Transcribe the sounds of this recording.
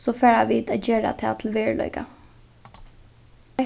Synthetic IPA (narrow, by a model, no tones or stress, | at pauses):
sɔfɛːɹaʋiːd̪ad͡ʑeːɹa̰t̪ʰɛ̰ːt̪ʰɪl̩ʋeːɹlɔ̰ʏka̰